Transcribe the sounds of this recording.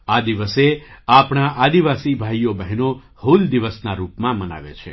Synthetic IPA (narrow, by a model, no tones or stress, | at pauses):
ad̪iʋəseapɳ̃aʔad̪iʋasibʱaijobəɦno | huld̪iʋəsnaɾupmãməna̰ʋḛt͡ʃʰḛ